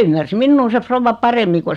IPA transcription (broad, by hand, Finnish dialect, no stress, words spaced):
ymːærs minːuː se froʋːɑ pɑremːi ko